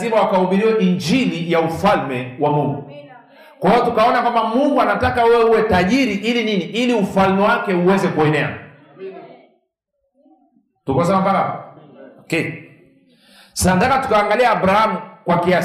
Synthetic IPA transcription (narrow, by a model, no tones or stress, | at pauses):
imawakauɓiɾiwaʔiɲd͡ʒilijaufalmɛwamuŋɡu | kwaiɔtukaɔnakwambamuŋɡuanatakawɛwɛuwɛtaʄiɾiʔilininiʔiliufalmɛwakɛuwɛzɛkuɛnɛa̰ | tukas̬ɛmampaɾa | kɛ | sandakatu̥kaːŋɡaliaːɓɾahamukwakia